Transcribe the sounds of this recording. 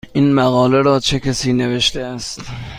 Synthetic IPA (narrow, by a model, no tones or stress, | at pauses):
ʔiːnmæɣɒːleɾɒːt͡ʃʰe̞kʲʰæsiːne̞ve̞ʃt̪eæst̪